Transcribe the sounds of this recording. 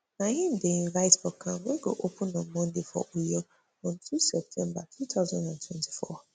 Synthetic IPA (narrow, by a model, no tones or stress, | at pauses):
nãɦĩn̩dẽĩlaɪtbɔkʰːãmwẽɡo̰ʔopʰũnːãmɔ̃ndefɔ̰ʔojɔ | ɔ̃ntʰusɛp̚tʰɛ̃mbatʰutʰaʊzãndãntʰwɛ̃ntʰi̥fɔ